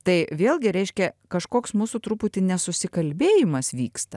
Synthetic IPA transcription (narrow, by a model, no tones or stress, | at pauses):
t̪ɐɪʋʲeːlˠʲɡʲɪɾʲɛɪʃʲkʲɛkɐʃkoːksmuːsut̪ɾupʊt̪ʲɪnʲɛsʊsʲɪkɐlʲbʲeːjɪmɐsʋʲiːkst̪ɐ